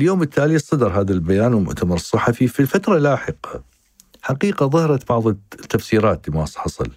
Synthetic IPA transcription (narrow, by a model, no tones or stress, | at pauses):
ljoːmɪt̪ːaːlisˤːɑd̪ɑɾˤɦaːðalbajaːnwmʊ̰ʔt̪amɑɾˤɨsˤːɨħːɑfifilfat̪ɾˤɑlaːħɪqɑ | ħaqiːqaðˤɑhɾˤɑt̪bɑʕðˤt̪ːafsiːɾaːt̪limasˤħɑsˤɨ̰l